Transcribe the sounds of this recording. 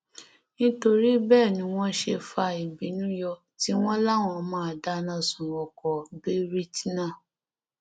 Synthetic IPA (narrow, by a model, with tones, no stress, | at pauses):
nĩ˦to˧ɾi˦bɛː˦˨nĩ˧˦w̃ɔ̃˦ʃe˧fa˧i˨bi˨˦nũ˦jɔ˧ | ti˨˦w̃ɔ̃˦la˦˨w̃ɔ̃˧˨mãː˨˦˨da˨˦nã˧sũ˨wɔ̃˨kɔ˨be˦ɾi˦ti˦nã˦˨